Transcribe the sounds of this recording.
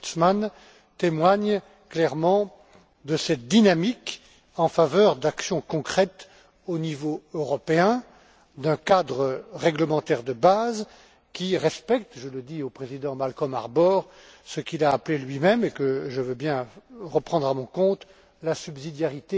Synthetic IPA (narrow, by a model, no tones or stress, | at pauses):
t̪sman | t̪emwaɲ | klɛʁmɑ̃ | d̪əsɛt̪̚d̪inamik | ɑ̃favœʁd̪aksjɔ̃kɔ̃kχɛt̪ | onivoøʁɔpeɛ̃ | d̪ɛ̃kad̪ʁəʁɛɡləmɑ̃t̪ɛʁd̪əbaz | kʲiʁɛspɛk̚t̪ʒələd̪iopχezid̪ɑ̃malkɔma̰ʁbɔʁsəkʲilaːplelɥimɛmekəʒəvøbjɛ̃ʁəpχɑ̃d̪ʁamɔ̃kɔ̃t̪ | lasybzid̪jaʁit̪e